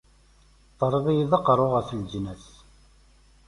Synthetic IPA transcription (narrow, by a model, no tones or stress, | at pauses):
t̪ˤːəɾˤəðˤijiðəqːɾˤoʁəθld͡ʒnæθ